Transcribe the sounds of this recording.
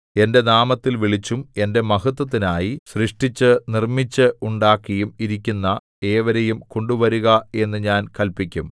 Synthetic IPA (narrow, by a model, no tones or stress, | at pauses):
e̞nde̞naːmɐt̪ːilʋiɭit͡ɕːume̞nde̞mɐɦut̪̬ːɐt̪̬ːinaːjisriʂʈit͡ɕːɨnirmit͡ɕːɨuɳɖaːkːɐjumiɾik̬ʲːunːɐ | e̞ːʋɐɾɐjumko̞ɳɖuʋɐɾuɣɐe̞nːɨɲaːnkɐlpikʲːum